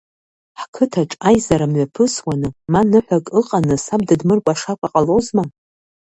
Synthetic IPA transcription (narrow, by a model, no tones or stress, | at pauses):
ħkʰɨtʰaʈ͡ʂʼajzaɾamɥapʰɨswanɨmanɨħʷakʼɨqʼanɨsab̚dɨdmɨrkʷʼaʂakʷʰaqʼalozma